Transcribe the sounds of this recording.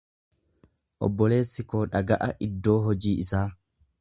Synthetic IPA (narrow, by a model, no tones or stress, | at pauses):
ʔɔ̰bːɔle̞ːsːɪkoːᶑɐɡɐʔɐʔɪd̪ːo̞ːɦɔd͡ʒiːɪsaː